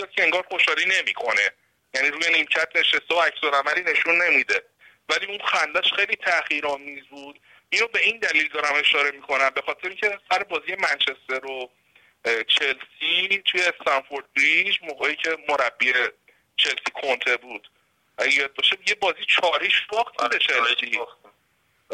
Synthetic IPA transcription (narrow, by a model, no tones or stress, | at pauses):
ɒːd̪̚cʰeeŋɡɒːɾχoʃɒːɾiːne̞mikʰo̞ne̞ | jæniɾuːjenimcʰæt̪̚ʰne̞ʃest̪eoæcsoɾæmæliːne̞ʃunːe̞mid̪e̞ | væliunxænd̪æʃxejliːt̪ʰæχiːɾɒːmiːzbuːd̪̥ | ino̞be̞ind̪æliːld̪ɒːɾæme̞ʃɒːɾe̞mikʰo̞næmbe̞xɒːt̪ʰeɾeiːŋcʰesæɾebɒːziːje̞mænt͡ʃʰest̪eɾo | t͡ʃʰe̞lsit̪ʰujest̪ænfoɾd̪̚bɾid͡ʒmoːɣeːiːcʰe̞moɾæbːie | t͡ʃʰe̞lsiːkʰo̞nt̪ʰebuːd̪̥ | ʔæɟejet̪̚bɒːʃeijebɒːziːt͡ʃʰɒːɾiʃfɒːxt̪ʰid̪et͡ʃʰelsi